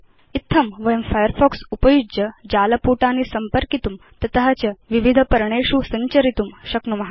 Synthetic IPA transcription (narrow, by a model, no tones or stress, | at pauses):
it̪ʰːɐmʋɐjəmfajəɾfɔksupəjud͡ʑəd͡ʑaːlɐpuːʈaniːsɐmpəɾkit̪um | t̪ɐt̪ɐɦɐt͡ɕɐʋiʋid̪ʱəpɐɾɳeɕusɐɲt͡ɕɐɾit̪umɕɐknumɐɦa